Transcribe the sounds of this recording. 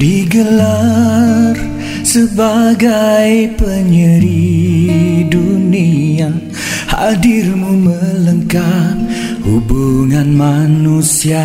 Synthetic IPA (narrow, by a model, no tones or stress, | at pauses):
diɡəla | r | səbaɡajpəɲəɾi | dunia | ha̰dirmumələŋkap̚ | hubuŋanmanusia